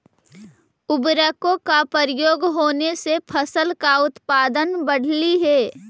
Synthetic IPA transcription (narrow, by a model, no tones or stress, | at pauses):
ʊbɾəkõkapəɾɪjoːɡɦoːnesepʰəsəlkaʊt̪paːd̪ənbəɽ̤liɦɛː